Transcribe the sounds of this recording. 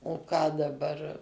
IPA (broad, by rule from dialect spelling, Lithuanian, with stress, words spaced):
oː ˈkɑː dɐˈbɐr